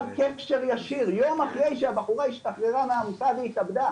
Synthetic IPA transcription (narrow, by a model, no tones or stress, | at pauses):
vkekʃeʁjaʃiʁjo̞maχʁejʃeabaχuʁaiʃt̪aχʁeʁameamusaveit̪abd̪a